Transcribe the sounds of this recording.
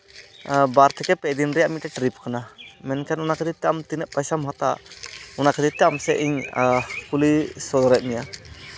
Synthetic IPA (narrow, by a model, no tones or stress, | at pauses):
baɾt̪ʰɛkɛpɛd̪inɾɛjaʔmit̪̚ʈɛʈɾip̚kanamɛnkʰɛnɔnakəd̪it̪ːɛʔamt̪inɛʔ̚pajsamhat̪a̰ɔnakəd̪it̪ːɛʔamsɛ̰ʔiɲkulisɔd̪ɔɾɛʔ̪̚mɛja